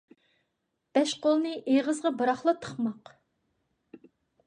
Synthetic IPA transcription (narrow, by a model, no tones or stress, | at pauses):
b̥ɛʃqolˠnɨʔeʁəzʁɑbɨɾɑχlˠət̪ʰə̥χmɑq